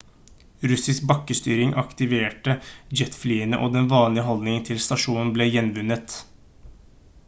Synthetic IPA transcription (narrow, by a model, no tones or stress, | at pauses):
ɾʉsɪsk̚bɑkːəst̪yːɾɪŋʔɑkt̪ɪʋeːʈəd͡ʒɛt̪fliːənə̰ʔoːd̪ɛnʋɑːnlɪəɦɔld̪nɪŋnt̪ʰɪlst̪ɑʂuːnn̩bleːjɛnʋʉnːət̪